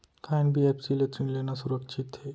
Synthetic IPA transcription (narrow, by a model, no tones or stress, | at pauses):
kʰajnbʱiepsileʈ̪ɾinlenasuɾəkʃʰit̪ɦe